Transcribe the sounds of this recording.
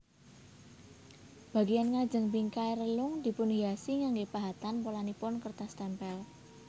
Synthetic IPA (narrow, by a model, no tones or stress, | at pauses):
b̥a̤ɡijanŋḁd͡ʒə̤ŋbiŋkaeɾəlʊŋd̪̥i̤pʊnɦiasiŋaŋɡepaɦat̪anpolanipʊnkərt̪ast̪ɛmpɛl